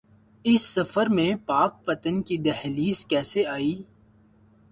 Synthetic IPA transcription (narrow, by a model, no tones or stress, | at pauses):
ɪsːɐfəɾmẽpaːk̚pɐt̪ənkid̪ɛhliːskɛːseaːiː